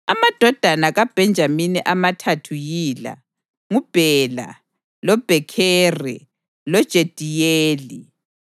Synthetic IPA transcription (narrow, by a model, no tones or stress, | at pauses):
amad̥ʱɔd̥ʱanaɣab̥ʱɛnd͡ʒʱaminiʔamatʰatʰujiːla̰ | ŋub̥ʱɛla̰ | lɔb̥ʱɛkʰɛːrɛ | lɔd̥ʒ̥ʱed̥ʱijeːli